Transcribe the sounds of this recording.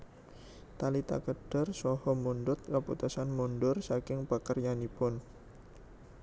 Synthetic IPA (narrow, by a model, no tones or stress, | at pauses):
t̪alit̪a̰kəɖ̥ərsɔhɔmundʊt̪̚kaput̪usanmunɖʊrsakɪŋpakərjanipʊn